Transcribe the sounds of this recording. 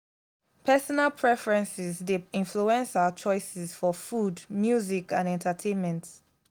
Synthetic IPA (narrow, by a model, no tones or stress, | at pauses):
pʰɛsɔnalpʰɹɛfɹɛ̃nsɪzdeɪ̃nfluɛ̃nsat͡ʃɔɪsɪz̥fɔfudmjuzikãnɛ̃ntʰətʰẽnmɛ̃nt